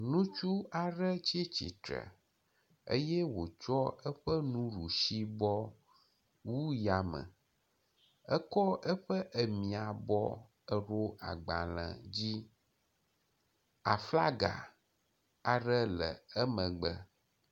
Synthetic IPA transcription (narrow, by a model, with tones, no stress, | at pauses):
nũ˦t͡ʃu˦a˨ɖə˦t͡ɕi˦t͡ɕḭ˨t̪ɾə̰˨ | ə̰˦jɛ˦wo˨t͡ʃɔ˦ə˦ɸə˦nũ˦ɾu˨ʃi˦bɔ˦ | wu˦ja˨mə̰̃˨ | ə˦kɔ˦ə˦ɸə˦ʔə˨mĩ˨a˨bɔ˦ | ə˨ɾo˦a̰˨ɡ͡ba˨lə̰̃˨d͡ʑi˦ | a̰˨fla˦ɡa̰˨ | a˨ɖə˦lə̰˨ə˦mə̃˨ɡ͡bə˦